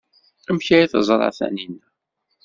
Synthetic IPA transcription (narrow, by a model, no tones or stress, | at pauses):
æmçajiθəzˤɾˤɑ̰θæ̰ninæ